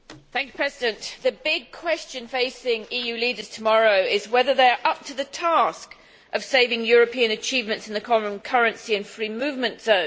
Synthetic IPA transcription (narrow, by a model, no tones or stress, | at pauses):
θæ̃ŋkjʉ̥pʰɹ̥ɛzɪdɨ̃nʔðɨbɪɡ̚kʰw̥ɛst͡ʃɨ̃nfeɪsɪ̃ŋijʉlidəz̥tʰəmɑɹoʊɪzwɛðə˞ðeɪəɹʔʌp̚tʰəðɨtʰɑˑsk | ʔʌv̥seɪvɪ̃ŋjɔɹəpʰiəɨ̃nɨt͡ʃʰiːvmɨ̃ntsɨ̃n̩ðɨkʰɒmə̃nkʰʌɹɨ̃nsiɨ̃nfɹimʉvmɨ̃ntz̥ə̃ʊ̃n